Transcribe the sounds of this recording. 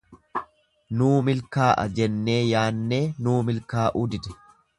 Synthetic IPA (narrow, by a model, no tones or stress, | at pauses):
nuːmɪlkaːʔɐ̰d͡ʒɛnːe̞ːjaːnːe̞ːnuːmɪlkaːʔʊd̪ɪd̪ɛ̥